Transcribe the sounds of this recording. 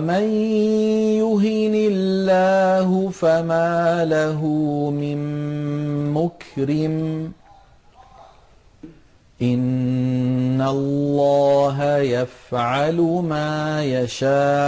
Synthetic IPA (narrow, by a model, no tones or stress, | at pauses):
man | jʊɦɪnɪlːaːɦʊfamaːlaɦʊmɪnː | ʊkɾɪm | ʔɪnː | alːɑːɦajafʕalʊmaːjaʃaː